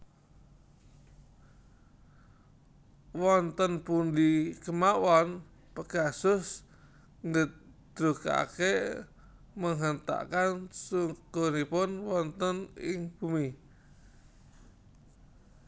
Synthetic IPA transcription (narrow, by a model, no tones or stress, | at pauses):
wɔnt̪ənpund̪ikəmawɔn | pəɡ̥asʊs | ŋɡət̪̚d̪̥ɾuka̰ke | məŋɦənt̪a̰kansuɡ̥onipʊnwɔnt̪ənɪŋb̥umi